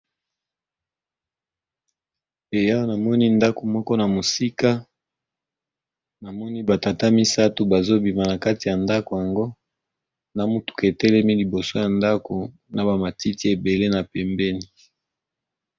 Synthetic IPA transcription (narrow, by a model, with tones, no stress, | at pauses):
e˨ja˦na˨mɔ˦ni˦nda˦ko˨mɔ˦kɔ˦na˨mo˨si˦ka˦ | na˨mɔ˦ni˦ba˨ta˨ta˦mi˦sa˦to˨ba˨zo˦bi˨ma˨na˨ka˦ti˨ja˨nda˦ko˨ja˨ŋɡo˦ | na˨mu˦tu̥˨ke˨tɛ˦lɛ˦mi˦li˨bo˨so˦ja˨nda˦ko˨ | na˨ba˨ma˨ti˦ti˦e˨be˨le˦na˨pɛ˨mbɛ˦ni˨